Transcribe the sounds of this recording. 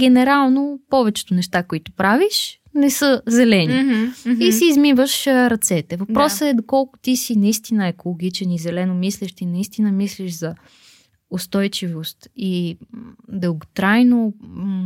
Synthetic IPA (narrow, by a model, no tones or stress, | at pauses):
ɡɛnɛɾalˠnopɔvɛt͡ʃɛ̥t̪ʊnɛʃt̪akoit̪ʊ̥pɾaviʃ | nɛsəzɛlɛniisiːzmivəʃɾɐt̪sɛt̪ɛvɐpɾɔsəɛd̪okɔlˠkʊ̥t̪isinɐist̪inəɛkolˠoɡ̟it͡ʃɛnizɛlɛnomislɛʃt̪inɐist̪inəmisliʒzɐ | ʊst̪ɔjt͡ʃivost̪i | d̪əlˠɡot̪ɾajno